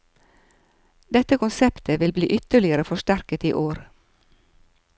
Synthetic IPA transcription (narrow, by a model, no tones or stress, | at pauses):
d̪ɛt̪əkʊnsɛpt̪ʰəʋɪlbliːʔʏt̪əɭɪəɾəfɔʃtæɾkət̪iːʔoːɾ